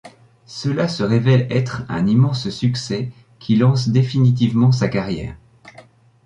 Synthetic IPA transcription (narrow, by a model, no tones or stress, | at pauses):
səlasəʁevɛlɛt̪χɛ̰̃nimɑ̃ssyksɛ | kʲʰilɑ̃sd̪efinit̪̬ivmɑ̃s̬akaʁjɛ̰ːʁ